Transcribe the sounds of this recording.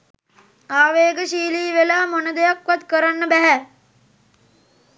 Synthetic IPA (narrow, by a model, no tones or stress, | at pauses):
aːʋeːɡəʃiːliːʋelaːmonəd̪ejakʋat̪kəɾanːəbæɦæ